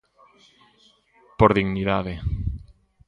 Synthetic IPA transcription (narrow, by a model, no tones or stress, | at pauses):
poɾðiɣniðaðe